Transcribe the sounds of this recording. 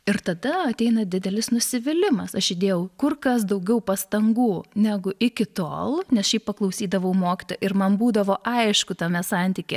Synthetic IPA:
ɪɾt̪ɐd̪ɐɐt̪ʲɛɪnɐd̪ʲɪd̪ʲɛlʲɪsnʊsʲɪʋʲɪlʲɪmɐsɐʃɪd̪ʲeːjɛʊkʊrkɐs̬d̪ɐʊɡʲɛʊpɐst̪ɐŋɡuːnʲæɡʊʔɪkʲɪt̪o̰ːlˠnʲɛsʃʲɛɪppɐklˠɐʊsʲiːd̪ɐʋɐʊmoːkʲɪ̥t̪oːjɛɪɾmɐnbuːd̪ɐʋoːʔɐɪʃkʊt̪ɐmʲɛsɑnʲt̪ʲiːkʲeː

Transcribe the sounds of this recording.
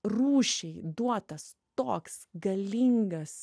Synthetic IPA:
ruːʃʲɛɪd̪uɔt̪ɐs | t̪oːksɡɐlʲɪŋɡɐs

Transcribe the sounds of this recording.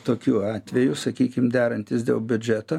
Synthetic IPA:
t̪oːkʲuːɑːt̪ʲʋʲɛjʊsɐkʲiːkʲɪmd̪ʲæːɾɐnʲt̪ʲɪsd̪ʲḛːlˠbʲʊd͡ʒʲæt̪o

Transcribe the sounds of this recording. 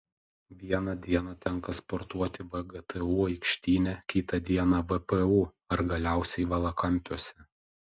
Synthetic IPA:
ʋʲiɛnɐd̪ʲiɛnɐt̪ʲɛŋkɐspɔɾt̪uɔt̪ʲɪʋɛɡɛt̪ʰɛuːɐɪkʃʲt̪ʲiːnʲɛkʲiːt̪ɐd̪ʲiɛnɑʋɛpɛuː | ɐɾɡɐlʲæˑʊsʲɛɪʋɐlˠɐkɐmʲpʲoɔsʲɛ

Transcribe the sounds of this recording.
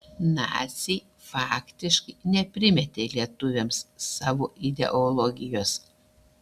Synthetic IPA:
nɑ̰ːt̪ʲsʲɛ | fɑːkt̪ʲɪʃkɐɪnʲɛpʲɾʲɪmʲɛt̪ʲeːlʲiɛt̪ʊʋʲemsːɑːʋoːʔɪd̪ʲɛ̰ʔolˠɔɡʲɪjoːs

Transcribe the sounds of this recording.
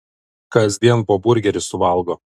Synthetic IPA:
kɐzʲd̪ʲiɛnˑpoːbʊɾʲɡʲɛɾʲɪsʊʋɐˑlˠɡoː

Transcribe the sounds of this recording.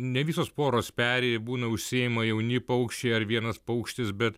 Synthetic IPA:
nʲɛʋʲiːsoːspoːɾoːspʲæːɾʲeːjɛbuːnɐʊʃʲsʲiemɐjɛʊnʲɪpɐʊkʃʲt͡ʃʲɛɪɐɾʋʲiɛnɐspɐʊkʃʲt̪ʲɪsbʲɛt̪

